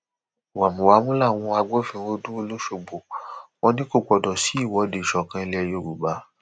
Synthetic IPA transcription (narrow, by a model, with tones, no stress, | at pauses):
wa˨mũ˨wa˨˦mũ˦la˦˨w̃ɔ̃˧a˧ɡ͡bo˦fĩ˧˦˧wo˦du˦o˧lo˦ʃo˧˨ɡ͡bo˨w̃ɔ̃˧˦nĩ˦ko˦˨k͡pɔ˧dɔ˨si˨˦i˦˨wɔ˨˦de˨ʃɔ˨kã˧i˧lɛ˧˨jo˧˨ɾu˨ba˨˦